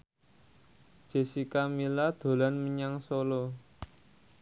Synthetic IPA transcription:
d̥ʒ̥e̤sikamilad̪̥o̤lanməɲaŋsolo

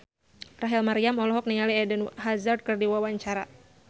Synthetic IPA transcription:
raɦɛlmaɾiamɔlɔɦɔk̚niŋaliɛdənɦazard̚kɨrdiwawaɲt͡ʃaɾa̰

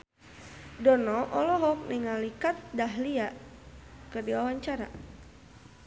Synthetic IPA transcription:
dɔnɔʔɔlɔɦɔk̚niŋalikat̪̚daɦlia | kərdiwawaɲt͡ʃaɾa̰

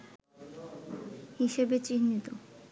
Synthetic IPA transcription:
hiʃebet͡ɕinːit̪o

